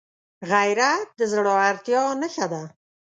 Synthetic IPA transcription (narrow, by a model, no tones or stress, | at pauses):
ɣajɾat̪̚d̪əzɽɑaɾt̪jɑnəʃad̪a